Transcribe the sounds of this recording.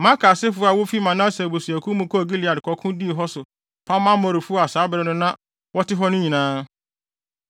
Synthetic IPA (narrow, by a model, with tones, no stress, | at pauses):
mã˦kʰa˨sɪ˦fʊ˨˦a˨wʊ˦fi˦mã˨nã˦se˨bo˨su˨æ˨kʰu˦mʊ̃˦kɔ˦˨ɡi˦li˨a˨dɪ˨kʰɔ˨˦kʰʊ̃˦di˦˨ɦɔ˦sʊ˨ | pʰa˦mã˦mɔ˨ɾɪ˨fʊ˦a˨saː˨˦bɾɛ˦nʊ̃˦nã˦ | wɔ˦tɪ˦ɦɔ˦nʊ̃˦ɲĩ˨nãː˦